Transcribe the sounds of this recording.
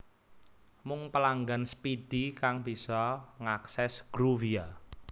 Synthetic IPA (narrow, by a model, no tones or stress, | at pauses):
mʊŋpəlaŋɡanspid̥ikaŋb̥isɔŋaksɛsɡ̥ɾuvia